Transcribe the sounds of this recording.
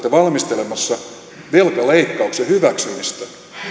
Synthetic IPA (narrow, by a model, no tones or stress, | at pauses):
t̪ɑʋɑlmist̪elemɑsːɑ | ʋelkɑleikːɑuksjɑhyʋæksymist̪æ